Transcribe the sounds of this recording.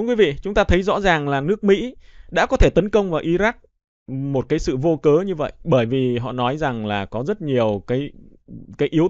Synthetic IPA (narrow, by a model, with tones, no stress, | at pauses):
nkwi˨˦vḭ˧˨t͡ɕʊ˨˦ŋ͡mt̪aː˧t̪ʰə˨˦jzɔ̰˧˥zaː˨˩ŋlaː˨˩nɨ˦˥ək̚mḭ˧˥ɗa̰ː˧˥kɔ˨˦t̪ʰe˧˩t̪ə˨˦nkə˧wŋ͡mvaː˨˩wʔi˨˦za˦˥k̚ | mo˨˩t̚kaː˨˦jsɨ̰˧˨vo˧kəː˨˦ɲɨ˧və̰˧˨jɓəː˧˩jvi˨˩ɦɔ̰˧˨nɔ˨˦jza˨˩ŋlaː˨˩kɔ˨˦zə˦˥t̚ɲi˨˩əwkaː˨˦jkaː˨˦jʔi˨˦əw